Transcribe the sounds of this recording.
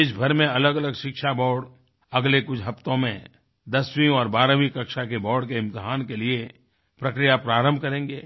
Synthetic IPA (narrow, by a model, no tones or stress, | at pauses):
ɪs̬bʱɐɾmẽɐləɡɐləɡʃɪkʃabɔːɽ | ɐɡlekʊt͡ʃʰɦɐft̪õmẽ | d̪ɐswĩɔːɾbaːɾəʋikɐkʃakebɔːɾɖkeɪ̃mt̪ɪɦaːnkelie | pɾɐkɾijapɾaːɾə̃mbʱkɐɾẽːŋɡeː